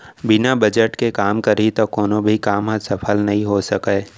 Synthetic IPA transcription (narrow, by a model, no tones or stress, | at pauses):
bɪnabɐd͡ʒəʈkekaːmkɐɾit̪okoːnõbʱikaːmɦãsɐpʰəlnɐɦĩɦosɐkeː